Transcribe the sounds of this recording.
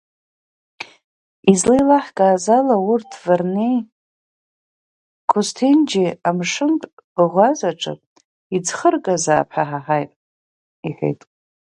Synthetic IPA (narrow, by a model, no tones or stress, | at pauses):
izlijlaħɡʼaːzalaurtʰvarnej | kʷʰʊstʰind͡ʒiamʂɨmtʼʁʷazaʈ͡ʂʼɨ̰pʼ | id͡zχərkʼazaːpʰaħaħajtʼ | iħʷᶣḛjtʼ